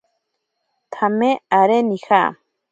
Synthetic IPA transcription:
t̪ʰameaɾenixa̰

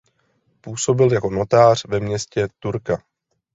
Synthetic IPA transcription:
puːso̞bɪljako̞no̞t̪aːr̝̥vɛmɲɛscɛt̪uɾka

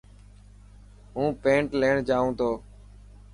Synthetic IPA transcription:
ɦũːpẽːɳʈleːɳd͡ʒaːũːt̪oː

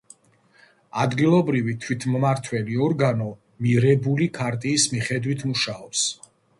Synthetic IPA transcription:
ad̪ɡilˠɔbɾivit̪ʰwit̪ʰmmaɾt̪ʰwɛliɔɾɡanɔ | miɾɛbulikʰaɾt̪ʼiːsmiχɛd̪wit̪ʰmuʃaɔps

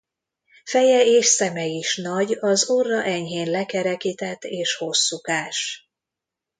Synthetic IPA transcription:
fɛjɛeːʃsɛmɛiʃnɒɟɒzorːɒʔɛɲɦeːnlɛkɛɾɛkit̪ɛt̪ːeːʃho̞sːukaːʃ

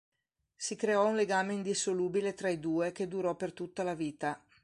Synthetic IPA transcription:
sikɾeɔunleɡaːmeind̪isoluːbilet̪ɾaid̪uːek̟ed̪uɾɔpert̪ut̪ːalaviːt̪a

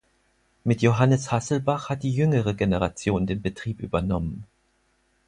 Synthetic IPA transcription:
mɪtjoɦanəshasl̩baχhat̚d̥iːjʏŋəʁəɡenəʁat͡sjoːndeːnbətʁ̥iːpʔy̰ːbɐnɔmən

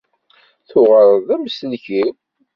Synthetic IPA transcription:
θʊʁəɾˤðæmsəlçi

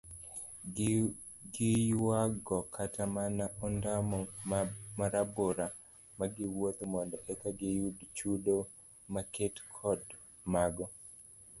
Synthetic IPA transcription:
ɡɪjwaɡɔkʰatamanaɔndamɔmaɾaboɾa | maɡɪwot̪mɔndɔʔɛkaɡɪjudt͡ʃudo | maketkʰɔd | maɡɔ

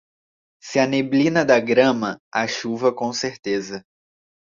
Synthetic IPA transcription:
sɪɐneblĩnɐd̪ɐɡɾɐ̃mɐaʃuvɐkõseɾt̪ezɐ

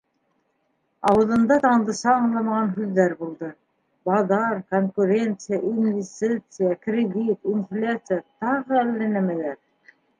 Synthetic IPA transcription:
ɑwɤ̆ðɤ̆nd̪ɑt̪ɑɴd̪ɤ̆ʃɑɑɴlˠɑmɑʁɑnɦʉðːæɾbulˠd̪ɤ | bɑðɑɾkoŋkʉɾʲe̞nt̪sɨjaʔinʲvʲɪsʲt̪it̪sɨjakrʲɪd̪ʲit̪inflʲat̪sɨjat̪ɑʁɤælːænæmælæɾ

